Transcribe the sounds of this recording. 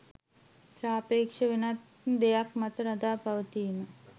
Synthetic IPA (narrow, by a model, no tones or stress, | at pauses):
t͡ʃaːpeːkʂəʋenat̪ | d̪ejakmat̪əɾad̪aːpaʋət̪iːmə